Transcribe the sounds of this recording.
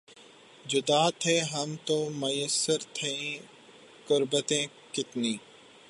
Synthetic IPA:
d͡ʒʊd̪aːt̪ʰeːɦɐmt̪oːmɐjəsːəɾt̪ʰẽĩ | kʊɾbət̪ẽː | kɪt̪niː

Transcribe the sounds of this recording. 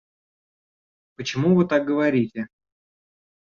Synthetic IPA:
pət͡ɕɪmuvɨt̪ak̚ɡəvɐɾʲitʲɪ

